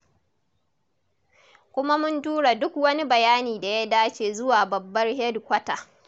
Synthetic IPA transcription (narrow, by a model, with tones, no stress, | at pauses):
kʷʊ˦ma˦mʊ˦ntuː˦ɽa˨dʊ˦kwɐ˦ni˦bɐ˨jaː˦niː˨da˨ja˦daː˦t͡ʃeː˨zʊ˦waː˨bɐ˨bːɐ˦rhɛ˦dkʷɐ˦taː˨ʔ